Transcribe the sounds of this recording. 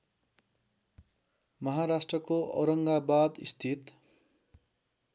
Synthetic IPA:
mʌɦaɾasʈrʌkoʔʌ̰wɾʌŋɡabad̪ḭst̪ʰit̪

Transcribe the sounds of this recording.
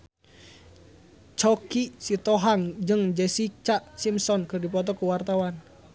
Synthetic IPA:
t͡ʃɔkisit̪ɔɦaŋd͡ʒɨŋd͡ʒɛsit͡ʃaʔsimsɔnkərdipɔt̪̬ɔkuwart̪awan

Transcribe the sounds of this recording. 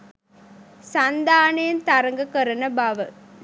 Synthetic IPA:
sɐnd̪aːnɐjɐnt̪ɐɾɐŋɡɐkɐɾɐnɐbɐʋɐ

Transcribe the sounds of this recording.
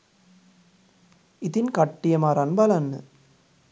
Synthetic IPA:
ɪt̪inkɐʈːɪjɐmaːɾanbɐlɐnːɯ̰

